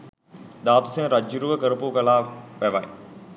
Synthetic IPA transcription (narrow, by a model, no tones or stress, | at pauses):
d̪aːt̪usenɾad͡ʒːuɾuʋəkəɾəpukəlaːʋæʋɐ̰j